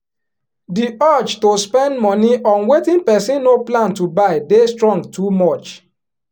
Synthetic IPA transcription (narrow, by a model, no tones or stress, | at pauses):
diʔat͡ʃtospɛ̃ndmɔniʔɔ̃nwetĩnpɛsĩnːoplãntubaɪdestɹɔ̃ŋɡtʰumɔt͡ʃ